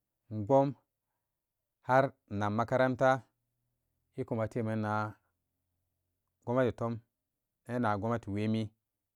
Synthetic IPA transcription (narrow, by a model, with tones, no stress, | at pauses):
ŋ˨ɡ͡bo˦m | ha˦ɾna˨mːa˦ka˦ɾa˦nta˦ | i˦ku˨ma˨te˦˨me˨na˨ | ɡo˦ma˦ti˨to˦m | ne˦na˨ɡo˦ma˦ti˨we˦mi˦